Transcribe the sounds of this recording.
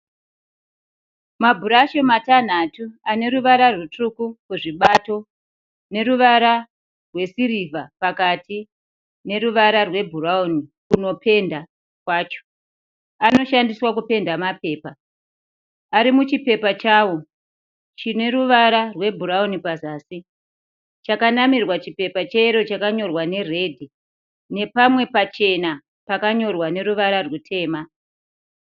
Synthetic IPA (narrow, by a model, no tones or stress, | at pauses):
mabʱuɾaʃomatan̤atuane̞ɾuʋaɾarwutrukukuʐiɓato̞ | ne̞ɾuʋaɾa | rwe̞siɾivʱapakati | ne̞ɾuʋaɾarwe̞bʱuraonikuno̞pʰe̞nda | kwaːt͡ʃo̥ | ano̞ʃandiswakupe̞ndamape̞ːpa | aɾimut͡ʃipe̞pat͡ʃaːwo̞ | t͡ʃine̞ɾuʋaɾarwe̞bʱuɾaunipazaːsi | t͡ʃakanamirwat͡ʃipe̞pat͡ʃeiɾo̞t͡ʃakaɲo̞rwane̞re̞dʱi | ne̞pamwe̞pat͡ʃe̞na | pakaɲo̞rwane̞ɾuʋaɾarwutʰe̞ːma